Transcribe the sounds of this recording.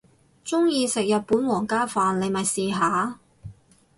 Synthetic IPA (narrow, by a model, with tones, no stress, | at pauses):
t͡sʊ˥ŋjiː˧sɪ˨k̚jɐ˨t̚puː˨˥nwɔː˨˩ŋkaː˥faː˨nle˨˧jmɐ˨jsiː˨ɦaː˨˧